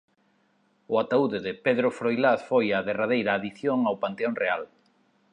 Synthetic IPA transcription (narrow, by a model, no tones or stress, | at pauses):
ʊat̪auðɪðɪpeðɾʊfɾojlaθfojaðeraðejɾaːðiθjoŋawpant̪eoŋreal